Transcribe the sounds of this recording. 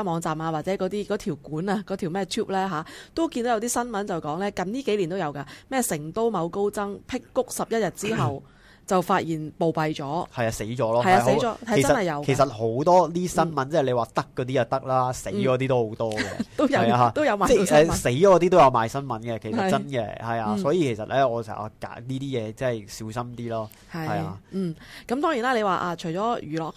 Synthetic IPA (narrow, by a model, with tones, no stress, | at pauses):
mɔː˨˧ŋt͡saː˨˩maː˧waː˨˩t͡sɛː˨˥kɔ˨˧˥t̪iː˥kɔː˨˥t̪ʰiː˨˩wkuː˨˥naː˧kɔː˨˥t̪ʰi˨˩wmɛː˥t̪ʰuː˥p̚lɛː˥ɦaː˨˥t̪o˥wki˧no˨˥jɐ˧wt̪iː˥sɐ˥nmɐ˨˥nt͡sɐ˨˩wkɔː˨˥ŋlɛː˥kɐ˨˧mt̪iː˥ke˨˥jli˨˩nt̪o˥jɐ˨˧wkaː˧mɛː˥˩sɪ˨˩ŋt̪o˥wmɐ˨˧wko˥wt͡sɐ˥ŋpʰɪ˥kːʊ˥k̚sɐ˨p̚jɐ˥t̚jɐ˨t̚t͡siː˥ɦɐ˨w | t͡sɐ˨wfaː˧t̚jiː˨˩npo˨wpɐ˨jt͡ʃɔː˨˥hɐ˨jaː˧se˨˥jt͡ʃɔː˨˥lɔː˧hɐ˨jaː˨e˨˥t͡ʃɔː˨˥hɐ˨˩t͡sɐ˥sɐ˨nhɐ˨jːɐ˨˧wkʰe˨˩sɐ˨˩t̚ho˨˥wt̪ɔː˥liː˥sɐ˥nmɐ˨˦nt͡sɛː˥˩˨le˨˧jwaː˨˩t̪ɐ˥kːɔː˨˧t̪iː˥jɐ˨˩t̪ɐ˥k̚laː˥se˨˥t͡ʃɔː˨˧t̪̬iː˥t̪o˥who˨˥wt̪ɔː˥ɡɛ̰˨˧t̪o˥jjaː˧t̪o˥wjɐ˨˧wmaː˨ɛː˥˩ɛː˧se˨˥jt͡ʃɔː˨˧˥t̪̬iː˥o˥wjɐ˨˧wmaː˨jsɐ˥nmɐ˨˥nkɛ˧kʰe˨˩sɐ˨t͡sɐ˥nkɛ̰˧hɐ˨jaː˧sɔː˨˥jiː˨˧kʰe˨˩sɐ˨t̚lɛː˥ɔː˨˧sɛ̰ː˨˩ŋa̰˨˩ka̰ː˨˥niː˥t̪iː˥jɛː˨˧t͡sɐ˥˩˨jsiː˨˥wsɐ˥mt̪iː˥lɔː˥ | hɐ˨hɐ˨jaː˧m̩ː˨˩kɐ˨˥mt̪ɔː˥ŋi˨˩naː˥le˧waː˨˧ʔaː˧t͡ʃʰɵ˨˩t͡ʃɔː˨˥jyː˨˩lɔː˨k̚